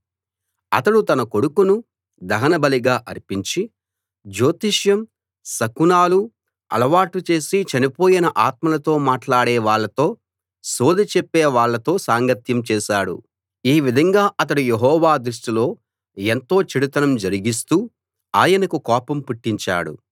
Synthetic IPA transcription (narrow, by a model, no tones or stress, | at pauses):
ɐ̰t̪ɐɽut̪ɐnɐkoɽukunu | d̪ɐɦɐnɐbɐliɡaːʔɐɾpiɲt͡ʃi | d͡ʒo̞ːt̪iʂjɐm | sɐkunaːlu | ɐ̰lɐʋaːʈut͡ʃe̞ːsit͡ʃɐnipo̞ːjinɐʔaːt̪̚mɐlɐt̪o̞ːmaːʈlaːɽɛːʋaːɭːɐt̪o̞ː | soːd̪ɐt͡ʃɛpːeːʋaːɭːɐt̪o̞ːsaːŋɡɐt̪jɐmt͡ʃɛːʃaːɽṵ | iːʋid̪ʱɐŋɡaːʔɐt̪ɐɽujeɦɔːʋaːd̪ɾuʂʈilo̞ː | ent̪o̞ːt͡ʃiɽut̪ɐnɐmd͡ʒɐɾiɡis̬t̪uː | aːjɐnɐkukɔːpɐmpuʈːiɲt͡ʃa̰ːɽṵ